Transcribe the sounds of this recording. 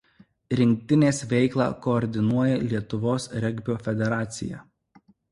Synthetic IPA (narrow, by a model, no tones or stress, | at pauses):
ɾʲɪŋʲk̚t̪ʲɪnʲeːsʋʲɛɪklˠɑ̰ːkɔːɾʲd̪ʲɪnuɔjɛlʲiɛt̪ʊʋoːsɾʲɛɡʲbʲoːfʲɛd̪ʲɛɾɑːt̪sʲɪ̰jɛ̰